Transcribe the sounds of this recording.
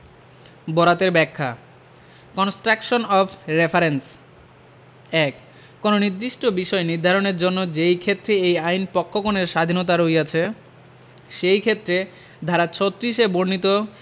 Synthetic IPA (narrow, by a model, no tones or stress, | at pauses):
bɔɾat̪eɾbɛkʰːa | kɔnsʈɾakʃonɔpʰɾefaɾens | ɛkː | ononid̪ɾiʃʈobiʃɔeniɾd̪ʱaɾoneɾd͡ʑonːod͡ʑejkʰet̪ːɾeejajnpɔkʰːokoneɾʃad̪ʱinot̪̬aɾojat͡ɕʰe | ʃejkʰet̪ːɾe | d̪ʱaɾat͡ɕʰot̪ːɾiʃeboɾnit̪o